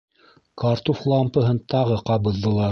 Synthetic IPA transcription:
kɑɾt̪oflˠɑmpɤ̆ɦɤnt̪ɑʁɤqɑβɤ̆ðːɤ̆lˠɑ

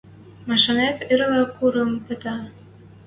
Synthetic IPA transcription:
mɑʃɤnet̪eɾ̆lɑkuɾɤ̆mpə̆t̪ɑ

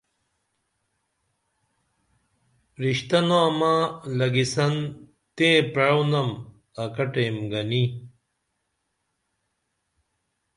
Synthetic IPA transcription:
ɾiɕt̪ɐnoɐmalɐɡisɐn | t̪ẽpeɻownɐm | ɐkɐʈemɡɐni

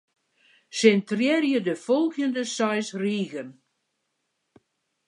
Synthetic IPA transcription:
sɪntrɛrjədəfɔlˠɣjəndəsɔjsriːɣən

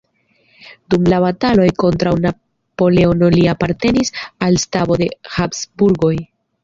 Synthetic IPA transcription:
dumlaβatalo̞jko̞ntɾawna | po̞le̞ono̞liapaɾte̞nisalstabo̞de̞hapsbuɾɡo̞j

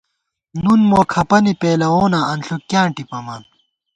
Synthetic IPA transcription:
nunmoːkʰɐpɐnipeːlɐwoːnaɐnɬukːjãːɳʈipɐmaːn

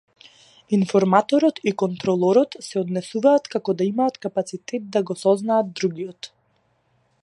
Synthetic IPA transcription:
infɔɾmat̪ɔɾɔt̪ikɔnt̪ɾɔlˠɔɾɔt̪sɛɔd̪nɛsuvaːt̪kakɔd̪aimaːt̪kapat̪sit̪ɛt̪̚d̪aɡɔsɔznaːd̪d̪ːɾuɡijɔt̪

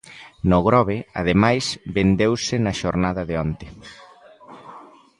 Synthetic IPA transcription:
nʊɣɾɔβɪa̰ð̞emajsbend̪ewsɪnɐʃoɾnaðɐðɪɔnt̪ɪ

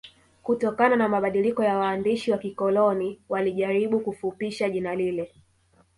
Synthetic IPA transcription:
kutɔkananamaɓaɗilikɔjawaːndiʃiwakikɔlɔniwaliʄaɾiɓukufupiʃaʄinalilɛ

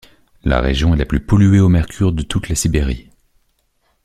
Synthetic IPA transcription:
la̰ʁḛʒjɔ̃ɛlaplypɔlyeomɛʁkʲʰyʁd̪ət̪ut̪lasibeʁḭ

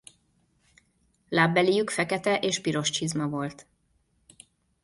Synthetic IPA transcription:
laːbːɛlijykfɛkɛt̪ɛʔeːʃpiɾo̞ʃt͡ʃizmɒvo̞lt̪

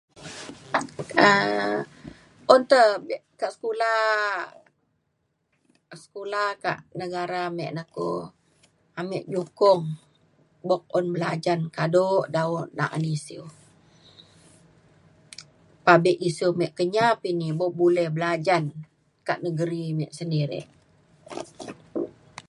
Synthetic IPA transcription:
ə | ʔɔnt̪əbʔkaʔsə̥kulah | sə̥kulahka̰ʔnəɡaɾamɛʔnako̰ | amɛʔɲukʊŋ | bɔk̚ɔnbəlad͡ʒankadoʔdaɔʔna̰ʔa̰nisiw | pabɛʔisiwmɛʔkəɲapiniboʔbulɛhbəlad͡ʒan | kaʔnəɡəɾimɛʔsəndiɾɛ̰ʔ

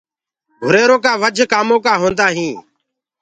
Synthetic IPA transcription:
ɡʱʊɾeːɾoːkaːʋəd͡ʒʱkaːmõːkaːɦõːnd̪aːɦĩː

